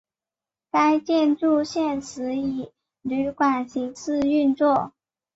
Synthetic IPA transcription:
ka˥ɪt͡ɕjɛ˥˧nʈ͡ʂu˥˧ɕjɛ˥˩nsʰɹ̩˧˥i˨˩ | ly˧˥kwa˨˩nɕʰi˧˥ŋt͡sʰɹ̩˥˧y˥˧nt͡swɔ˥˩

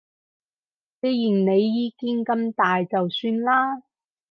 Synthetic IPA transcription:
t͡se˥˧˥jji˨˩ŋne˨˧jːiː˨˧ki˥ŋkɐ˨mt̪aː˨jt͡sɐ˨wsyː˧nlaː˥

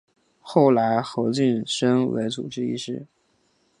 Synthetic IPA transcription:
xo˥˩ʊla˧˥ɪxo˧˥ʊt͡ɕi˥˩nʂɤ˥ŋwḛ˧˥ɪt͡sṵ˨˩ʈ͡ʂɻ̩˥ḭ˥˧ʂɻ̩˥˩

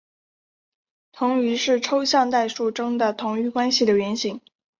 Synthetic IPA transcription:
t̪ʰʊ˧˥ŋy˧˥ʂɻ̩˥˩ʈ͡ʂʰo˥ʊɕjɑ˥˧ŋt̪a˥˧ɪʂu˥˩ʈ͡ʂɤ˥ŋd̪ə˨t̪ʰʊ˧˥ŋy˥˧kwa˥nɕi˨˩d̪ə˩ɥɛ˧˥nɕi˧˥ŋ

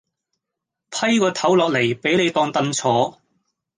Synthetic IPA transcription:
pʰɐ˥jkɔː˧t̪ʰɐ˨˥wlɔː˨k̚le˨˩jpe˨˥jne˨˧jt̪ɔː˧ŋt̪ɐ˨˧nt͡sʰɔː˨˥

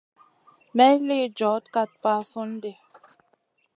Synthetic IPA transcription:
mɛ˦le˦˨d͡ʒɔ˨˦tka˦˨t̚pa˦sɔ˦n˦de˨

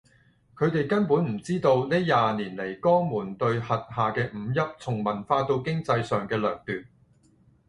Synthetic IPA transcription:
kʰɵ˨˧ɥt̪e˨jkɐ˥npuː˨˥nm̩˨˩t͡siː˥t̪o˧wnɛː˥jaː˨niː˨˩nle˨˩jkɔː˥ŋmuː˨˩nt̪ɵ˧ɥhɐ˨t̚haː˨kɛː˧m̩˨˧˥jɐ˥p̚t͡sʰʊ˨˩ŋmɐ˨˩nfaː˧t̪o˧wkɪ˥ŋt͡sɐ˧jsœː˨ŋkɛː˧lœː˨˩ŋt̪yː˨t̚

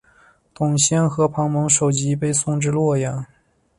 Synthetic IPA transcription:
t̪ʊ˨˩ŋɕjɛ˥nxɤ˧˥pʰɑ˧˥ŋmɤ˧˥ŋʂo˨˩ʊt͡ɕi˧˥pe˥˧ɪsʊ˥˧ŋʈ͡ʂɻ̩˥˧lwɔ˥˩jɑ˨˩˦ŋ

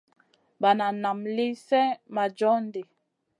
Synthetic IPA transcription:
ba˨na˨na˨mli˦sɛ˦ma˨d͡ʒɔ˦ndi˨

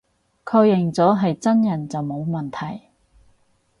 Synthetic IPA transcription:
kʰɔː˧jɪ˨˩ŋt͡sɔː˨˥ɦɐ˨jt͡sɐ˥njɐ˨˩nt͡sɐ˨wmo˨˧wmɐ˨˩nt̪ʰɐ˨˩j

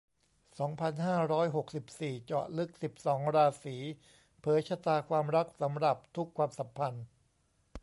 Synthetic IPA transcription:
sɔː˩˦ŋpʰa˧nhaː˥˩ɾɔː˦˥jɦo˨˩k̚si˨˩p̚siː˨˩t͡ɕɔ̰ː˨˩t̪̚lɯ˦˥k̚si˨˩p̚sɔː˩˦ŋɾaː˧siː˩˦ | pʰɤː˩˦jt͡ɕʰa˧t̪aː˧kʰwaː˧mɾa˦˥k̚sa˩˦mɾa˨˩p̚t̪ʰu˦˥kʰwaː˧msa˨˩˦mpʰa˧n

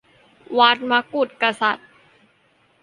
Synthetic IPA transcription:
waː˦˥t̪̚ma˦˥ku˨˩t̪̚ka˧sa̰˨˩t̪̚

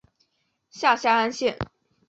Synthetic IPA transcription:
ɕja˥˩ɕja˥a˥nɕjɛ˥˨˩n

